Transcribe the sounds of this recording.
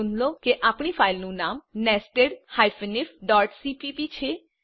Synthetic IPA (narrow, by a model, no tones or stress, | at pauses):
ʊnlokeʔaːpɽ̃ipʰaːɪlnũnaːmnɛsʈeɖhajfnifɖɔːɾʈsipipit͡ʃʰe